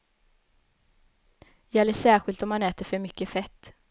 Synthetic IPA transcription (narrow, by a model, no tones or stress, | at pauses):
jɛlːɪsæːɾɧɪlt̪ɔmhanɛːt̪əɾfœɾmʏkːəfɛt̪ː